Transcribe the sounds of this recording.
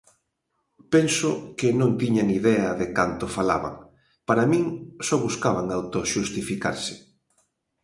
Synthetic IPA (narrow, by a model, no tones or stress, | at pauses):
pensʊkɪnõnt̪iɲaniðɛɐðekant̪ofala̰βa̰ŋ | paɾamĩŋsɔβuskaβaŋawt̪oʃust̪ifika̰ɾsɪ̥